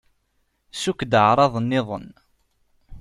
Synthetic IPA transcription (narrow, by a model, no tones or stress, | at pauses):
sukːd̪əʕɾˤɑðˤənːɪðˤə̰n